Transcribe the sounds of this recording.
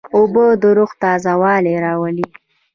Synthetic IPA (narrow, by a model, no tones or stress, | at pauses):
obəd̪əɾʊxt̪ɑzawɑːleɾɑwəli